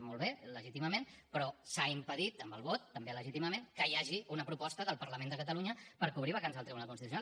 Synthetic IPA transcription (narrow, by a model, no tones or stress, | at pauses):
molˠβeləʒit̪iməmenpɾɔsaimpəðit̪əmbəlˠβɔt̪ːəmbeləʒit̪iməmenkəjaʒiunəpɾupɔst̪əðəlˠpəɾləmend̪əkət̪əluɲəpəɾkuβ̞ɾiβ̞əkanzəlˠt̪ɾiβunalˠkunst̪iusjuna